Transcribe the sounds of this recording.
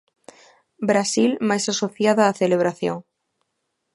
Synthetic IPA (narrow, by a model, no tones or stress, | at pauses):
bɾasilmajsasoθjaðaːθeleβ̞ɾaθjoŋ